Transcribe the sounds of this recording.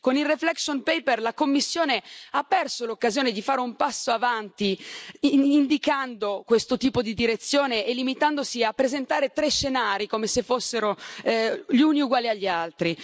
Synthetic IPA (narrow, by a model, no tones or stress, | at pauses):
konilreflɛksonpɛjperlakomːisːjoːneapːɛrsolokːazjoːned̪ifaːɾeumpasːoavant̪i | ind̪ikand̪okwest̪ot̪iːpod̪id̪iɾet̪sːjoːneːlːimit̪and̪osiapːɾezent̪aːɾet̪ɾeʃːenaːɾikomesefːosːeɾo | ʎuniuɡwaːliaʎːialt̪ɾi